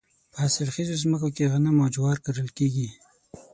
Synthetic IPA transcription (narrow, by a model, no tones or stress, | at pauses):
pəasɪlxizozməkokeɣanamad͡ʒwɑɾkaɾəlkeɡi